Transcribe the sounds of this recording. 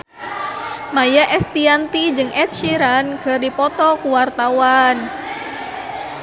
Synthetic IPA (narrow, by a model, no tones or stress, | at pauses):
majaʔɛst̪iant̪id͡ʒɨŋʔɛt̪̚ʃiɾankərdipɔt̪ɔkuwart̪awan